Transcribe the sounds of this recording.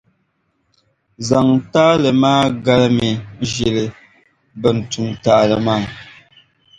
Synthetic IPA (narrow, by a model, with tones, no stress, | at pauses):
za˨ŋ˨taː˦lə˨maː˦ɡa˦lmi˨˦ʒe˨lɨ˨ | bə˨n̩˨tu˨ŋtaː˨lə˨maː˦˨